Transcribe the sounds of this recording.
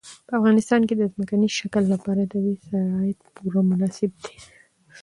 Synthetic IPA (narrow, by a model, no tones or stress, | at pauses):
pəafɣɑnɪst̪ɑnked̪əzməkanizʃakəlːapɑɾad̪əwisaɾɑɪd̪puɾamʊnɑsɪb̚d̪e̥